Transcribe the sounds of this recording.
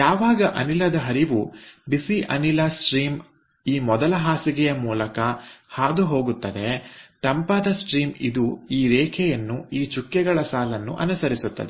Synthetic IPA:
jaːʋaːɡɐʔɐ̰nilɐd̪ɐɦɐɾiʋubisiʔɐ̰nilɐsʈɾiːm | iːmɔd̪ɐlɐɦaːsiɡɛjɐmuːlɐkɐhaːd̪uɦo̞ːɡut̪ːɐd̪e̞t̪ɐmpaːd̪ɐsʈɾiːmid̪uiːɾɛːkʰɛjɐnːuiːt͡ʃukːɛɡɐɭɐsaːlɐnːṵʔɐ̰nusɐɾisut̪ːɐ̰d̪e

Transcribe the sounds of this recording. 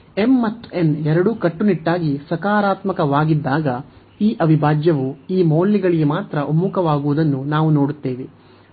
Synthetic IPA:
e̞mːɐt̪ːenɛɾɐɽukɐʈːuniʈːaːɡisɐkaːɾaːt̪mɐkɐʋaːɡid̪ːaːɡɐ | iːʔɐʋibʱaːd͡ʒjɐʋuiːmoːlːiɡɐɭiɡemaːt̪ɾɐʔomːukɐʋaːɡuʋud̪ɐnːunaːʋunoːɽut̪ːeːʋe

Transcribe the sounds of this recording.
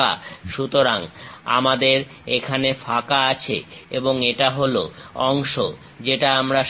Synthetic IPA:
a̰ʃut̪oɾaŋa̰mad̪eɾ | ekʰanefakaat͡ɕʰḛeboŋeʈaɦoloɔŋʃo | d͡ʑeʈaamɾa

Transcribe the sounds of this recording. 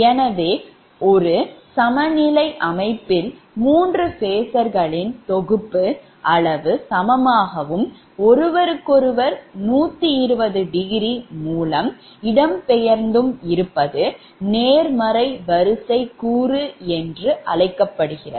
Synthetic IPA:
ɛnɐʋeː | ɔɾɯsɐmɐnɪlɐɪʔɐmɐɪpːɪl | muːndrɯfeːsɐɾɣɐɭɪnt̪ɔɣɯpːɯ | ʔɐɭɐʋɯsɐmɐmaːɣɐʋɯm | ɔɾɯʋɐɾɯkːɔɾɯʋɐɾnuːt̪ːɯɪɾɯbɐðɯɖɪɣɪɾimuːlɐm | ɪɽɐmpɛjɐɾnd̪ɯmɪɾɯpːɐðɯ | neːɾmɐɾɐɪʋɐɾɯsɐɪkuːrɯɛndrɯʔɐlɐɪkːɐpːɐɽɯɣɪrɐ̰

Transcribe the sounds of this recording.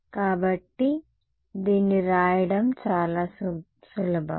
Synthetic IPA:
kaːbɐʈːi | d̪iːnːiɾaːjɐɽɐmt͡ʃaːlaːs | sulɐbʱɐ̰

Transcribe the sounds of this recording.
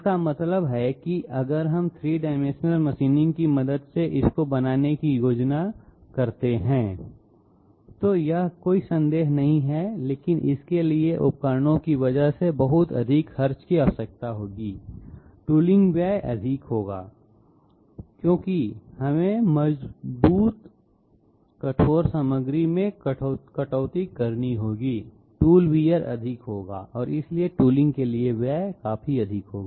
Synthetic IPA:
ɪkamɐt̪ləbɦɛkiʔɐɡəɾɦɐmt̪ʰɾiːɖaːɪmẽːʃnəlməʃiːnɪ̃ŋɡkimɐd̪əd̪seʔɪskobɐnaːnekijoːd͡ʒnakɐɾt̪eɦɛ̃ː | t̪oːjɐɦkoːisɐ̃nd̪eːɦnɐɦĩɦɛleːkɪnʔɪ̰skelieʔʊ̰p̚kəɾnõkiʋɐd͡ʒəɦsebɐɦʊt̪ɐ̰d̪ʱiːkxɐɾt͡ʃkiasək̚t̪aɦoːɡiːʈuːlɪ̃ŋɡʋjaːʔɐ̰d̪ʱɪkɦoːɡaː | kjõːkihɐmẽməzbuːt̪ | kɐʈʰoːɾsəməɡɾimẽkʈːkɐʈɔːt̪ikɐɾniɦoːɡiː | ʈuːlwiːəɾɐ̰d̪ʱɪkɦoːɡa̰ːʔɔːɾɪslieʈuːlɪ̃ŋɡkelieʋjaːkaːfiɐd̪ʱɪkɦoːɡaː

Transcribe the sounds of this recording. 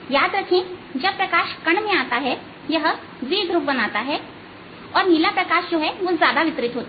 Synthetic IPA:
jaːd̪ɾɐkʰẽd͡ʒɐbpɾɐkaːʃkɐɳ̃mẽaːt̪aɦɛ | jɐɦ | ʋiːɡɾup̚bɐnaːt̪aɦɛː | ɔːɾnilapɾɐkaːʃd͡ʒoːɦɛʋozjaːd̪aʋɪt̪ɾɪt̪ɦoːt̪a

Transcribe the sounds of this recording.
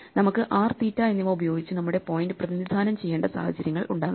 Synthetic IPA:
nɐmukːɨʔaːrt̪iːtːaːjenːiʋɐubɐjo̞ːɡit͡ɕːɨnɐmːuɽe̞po̞ːjndɨprɐðinid̪ʱaːnɐmt͡ɕe̞jːeːɳɖɐsa̰ːhɐt͡ɕːɐɾjɐŋːɐɭʔuɳɖaːɣː

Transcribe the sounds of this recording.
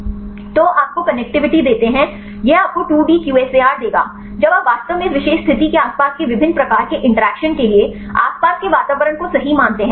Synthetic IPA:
t̪oːʔaːp̚kokɐnɛk̚ʈɪʋɪʈid̪eːt̪eɦɛ̃ | jeaːp̚koʈuːɖiːkjuːeːseaːɾd̪eːɡa̰ː | d͡ʒɐbaːpʋaːst̪əʋmẽʋɪʃeːʃst̪ʰɪt̪ikeaːspaːskeʋɪbʱɪnːpɾɐkaːɾkeʔɪ̃ɳʈəɾɛːkʃənkelie | a̰ːspaːskeʋaːt̪aːʋəɾəɽ̃kosɐɦimãːnt̪eɦɛ̃

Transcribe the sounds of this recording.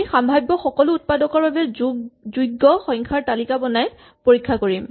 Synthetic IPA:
xambʱajbːɔxɔkɔlʊut̚padɔkɔɹbabɛzujɡːɔxɔŋkʰaɹtalikabɔnaj | poɹikʰːakoɹim

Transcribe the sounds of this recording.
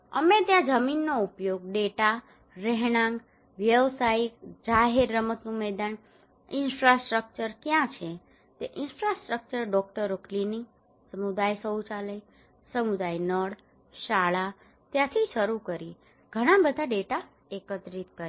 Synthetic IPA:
ə̰mẽt̪jãd͡ʒəminːoupjoɡ̚ɖeʈa | ɾɛɦɽ̃ãŋɡ | ʋjəʋsaik̚d͡ʒaɦeɾːəmət̪nũmɛd̪an | ɪnfɾasʈɾək̚t͡ʃəɾkjãt͡ʃʰe | t̪eʔɪnfɾasʈɾək̚t͡ʃəɾɖɔkʈəɾokʰlini | səmud̪ajsəut͡ʃaləj | səmud̪ajnəɽ | ʃaɭa | t̪jãt̪ʰiʃəɾukəɾi | ɡ̥ʱəɽ̃ãbəd̪ʱaɖeʈa | ekət̪ɾit̪kəɾ

